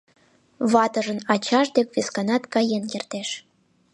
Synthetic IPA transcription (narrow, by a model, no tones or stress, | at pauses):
βɑt̪əʒənɑt͡ɕɑʃd̪ekβeskɑnɑt̪kɑjenkert̪eʃ